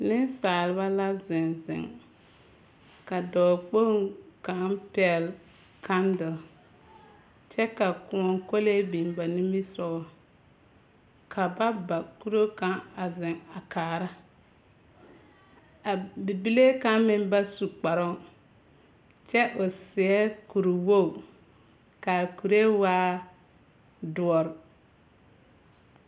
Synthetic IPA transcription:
nɪ˦nsaː˨lɪ˨˦βa˦la˦zɪ˨nzɪ̰˨ŋ | ka˨dɔː˨k͡po˦ŋka˨˦pɛ˦˨ɛ˨l | ka˦ndɪ˨l | t͡ʃɛ˦ka˨kʊ˨ɔ˨ŋko˦le˦bi˨nba˨ni˦mi˦sɔ˦ɣɔ˨ | kʰa˨ba˦ba˨ku˦ɾo˦ka˦ŋa˨zɪ˨ŋa˨kaː˨ɾa˦ | a˨bi˨bi˦le˦ka˦mɪ˦mba˦su˨k͡pa˨ɾɔ˦ŋ | t͡ʃɛ˦ʔo˨sɪ˨ɛ˦ku˨ɾu˨wo˦˨ | ka˨ku˨ɾe˦waː˦ | dʊ˨ɔ˨ɾɪ˨

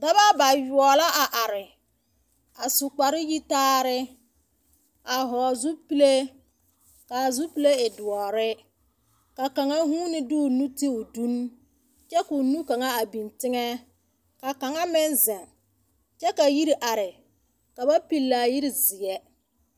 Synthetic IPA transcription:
da˦βa˦ba˨ju˨ɔ˨la˦ʔa˨ʔa˨ɾɪ˨ | a˨sʊ˨k͡pa˨ɾɪ˦ji˦taː˦ɾɪ˦ | a˨ɦɔː˨zu˦pi˦le˦ | ka˨zu˦pi˦le˦ɪ˨dʊ˨ɔ˨ɾɪ˦ | ka˨ka˨ŋa˦ɦu˦nɪ˦dʊ˦˨nu˦ti˦ʊ˨du˦n | t͡ʃɛ˦ku˨nu˦ka˨ŋa˦a˨bi˨ntɪ˦ŋɛ˦ | ka˨ka˨ŋa˦mɪ˦nzɛ˨ŋ | t͡ʃɛ˦ka˨ji˦ɾi˦ʔa˨ɾɪ˨ | ka˨ba˦pi˦lːa˨ji˦ɾi˨zi˨jɛ˦

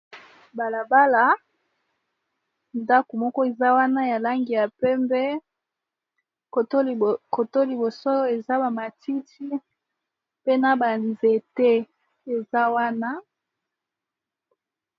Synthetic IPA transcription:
ba˨la˨ba˦la˨ | nda˦ku˨mɔ˦kɔ˦e˨za˦wa˦na˦ja˨la˦ŋɡi˨ja˨pɛ˦mbɛ˦ | ko˨to˦lko˨to˦li˨bo˨so˦e˨za˦ba˨ma˨ti˦ti˦ | pe˦na˦ba˨nze˨te˦ | e˨za˦wa˦na˦

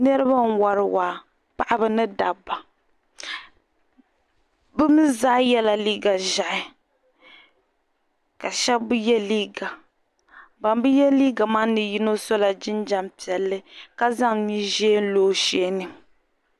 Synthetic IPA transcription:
nɛ˦ɾɨ˦ba˦n̩˦wa˨ɾɨ˦waː˨ | pa˨ʔa˦bɨ˨nɨ˦da˨bːa˨ | bɨ˦mi˦zaː˦jɛ˦la˨liː˦ɡa˨ʒa˨ʔɪ˨ | ka˨ʃɛ˦bbu˦jɛ˦liː˦ɡa˨ | ba˨mbɨ˦jɛ˦liː˦ɡa˨maː˦nɨ˨ji˦no˦so˦la˨d͡ʒɪ˦nd͡ʒa˦mpi˨ɛ˨lːɨ˦ka˦za˦ŋɲi˦ʒeː˦n̩˦loː˦ʃeː˦nɨ˨

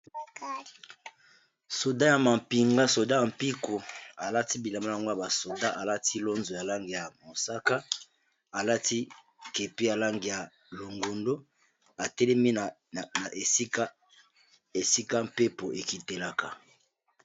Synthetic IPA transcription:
so˨da˦ja˨ma˨mpi˨ŋɡa˦so˨da˦ja˨m˨pi˦ko˨a˨la˦ti˦bi˨la˨ma˦˨a˨ŋɡo˦a˨ba˨so˨da˦ʔa˨la˦tʰi˦lo˦nzo˨ja˨la˦ŋɡi˨ja˨mo˨sa˦ka˦ | a˨la˦ti˦ | ke˨pi˦ja˨la˦ŋɡi˨ja˨ | lo˨ŋɡo˨ndo˦ | a˨tɛ˦lɛ˦mi˦n˨ | na˨ʔe˨˦ka˦ | e˨si˦ka˦m̩pe˦po˨ʔe˨ki˨te˨la˨ka˨

